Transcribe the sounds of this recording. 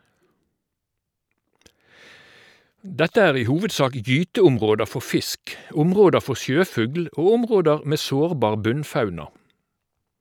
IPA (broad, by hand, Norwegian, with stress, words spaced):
ˈdɛtə ˈæːʁ ˈiː ˈhuːʋədˌsɑːk ˈjyːtəʊmˌʁoːdə ˈfɔ ˈfɪsk ˈʊmˌʁoːdə ˈfɔ ˈsjøːˌfʉɡl ˈoː ˈʊmˌʁoːdəʁ ˈmeː ˈsoːʁˌbɑːʁ ˈbʉnˌfɑʉnɑ